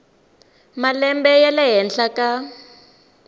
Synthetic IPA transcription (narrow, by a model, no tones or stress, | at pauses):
malɛmbɛjalɛɦɛnɬaka